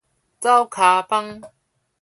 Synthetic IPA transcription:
t͡sa˦wkʰa˨˧pa˦ŋ

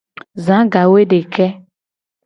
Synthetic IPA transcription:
zã˨˦ɡa˨we˦ɖe˨kɛ˦

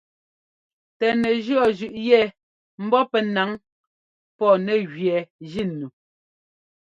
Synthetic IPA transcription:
tɛ˨nɛ˨ʒɰɔ˨ʒʉ˨ʔjɛ˦˨ | m̩˦bɔ˦pɛ˦na˨˦ŋ | pɔ˦˨nɛ˨ɣɥɛ˨d͡ʒi˦˨nːu˨

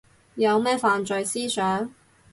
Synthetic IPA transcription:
jɐ˨˧wmɛː˥faː˨nt͡ʃɵ˨˧jsiː˥sœː˨˥ŋ

